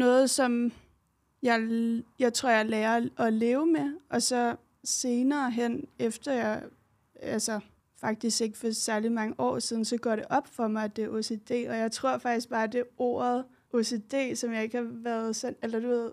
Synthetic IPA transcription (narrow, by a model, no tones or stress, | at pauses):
nɔ̽ːð̞̩ˠsɒ̽m | jɑ̈ɪjɑ̈ɪt͡sʰʁo̝ɐ̰jɑlɛːɐʔɒ̽le̝ːʊəmeʔɒ̽sɒ̽ | se̝ːnɐːɦen̰efd̥ɐjɑ̈ɪ | ælsɐ | fɑ̈ɡ̥̚d̥isɡ̥e̝ɡ̥ə̥fɒ̽sæɐlimɑ̈ŋəʔɒ̰ːsið̞ˠn̩sɒ̽ɡ̥ɒ̰ɾ̥e̝ʔɒ̽b̥fɒ̽mɑ̈ɪd̥eʔo̝se̝d̥e̝̰ːɒ̽jɑ̈ɪt͡sʰʁo̝ɐ̰fɑ̈ɡ̥̚d̥isɡ̥̚b̥ɑ̈ːd̥e̝o̝̰ːɐð̩ˠ | ʔose̝d̥e̝̰ːsɒ̽mjɑ̈e̝ɡ̥əhɑ̈ʋæːɐð̩ˠsɒnelɐd̥uʋe̝ð̰ˠ